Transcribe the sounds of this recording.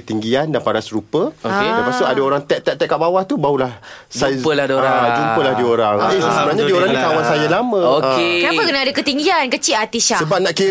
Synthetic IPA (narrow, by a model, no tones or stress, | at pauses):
ət̪iŋɡiandanpaɾasɾupəokeapasoʔadaoɾaŋt̪ɛʔt̪ɛt̪ɛʔkaʔbawaht̪ubaulahd͡ʒsapəlahdioɾad͡ʒupəlahdioɾaŋsəbənaɲadioɾaŋnit̪awansajalamə̃okekənapəkənaadakət̪iŋɡiankət͡ʃiat̪iʃasəbap̚naʔki